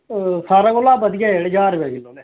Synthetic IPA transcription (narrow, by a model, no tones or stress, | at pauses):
saːɾaːɡolaːbəd̪ɪjaːeːɽd͡ʒaːɾʋɛkɪloːneː